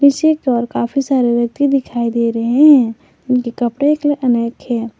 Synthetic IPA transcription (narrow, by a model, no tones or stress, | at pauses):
nɪt͡ʃekɔːɾkaːfʰisaːɾeɾɐk̚t̪id̪ɪkʰaːid̪eːɾɐɦeɦɛ̃ | ɪnkikɐpɽeeːkleʔɐneːkɦɛː